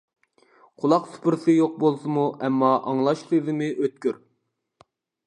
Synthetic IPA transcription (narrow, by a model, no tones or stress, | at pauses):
qʰʊlˠɑqsʊ̥pʰɨɾsɨjoq̚bolˠsɨmuɛmːɑʔɑŋlˠɑʃχezɪmɪʔøt̪̚kʲyɾ